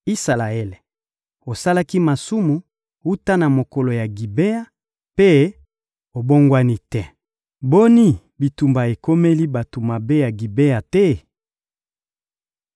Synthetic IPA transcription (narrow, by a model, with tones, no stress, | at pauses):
i˦sa˨la˨e˦le˨ | o˨sa˦la˦ki˦ma˨su˦mu˨ | u˦ta˦na˨mo˨ko˨lo˨ja˨ɡi˨be˦a˦ | pe˦ | o˨bo˦ŋɡwa˦ni˦tɛ˦ | bo˦ni˦ | bi˨tu˨mba˨e˨ko˦me˦li˦ba˨to˨ma˨be˦ja˨ɡi˨be˦a˨tɛ˦